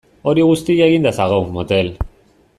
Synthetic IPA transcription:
o̞ɾiɣust̪iaɣind̪asaɣowmot̪e̞l

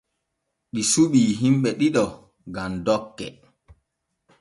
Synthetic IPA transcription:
ɗisuɓiːɦimɓɛɗiɗɔ | ɡamdɔkːɛ̰

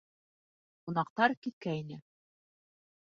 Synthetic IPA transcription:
qunɑq̚t̪ɑɾkit̪̚kæinɘ

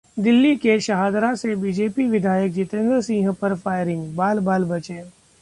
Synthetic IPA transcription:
d̪ɪlːikeʃəɦaːd̪ɾasebiːd͡ʒeːpiʋɪd̪ʱaːjək̚d͡ʒɪt̪ẽnd̪ɾsĩːɦəpɐɾfaːɪɾɪ̃ŋɡbaːlbaːlbɐt͡ʃeː

